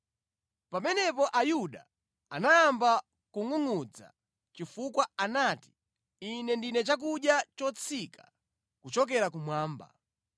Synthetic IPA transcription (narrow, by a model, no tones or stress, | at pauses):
pamɛnɛpɔʔajuɗa̰ | anaːmba | kuŋuŋud͡za̰ | t͡ʃifukwaanaːti̥ | inɛndinɛt͡ʃak̬uɗjat͡ʃɔt͡sʰikʰa | kut͡ʃɔk̬ɛɾakumwaːmba̰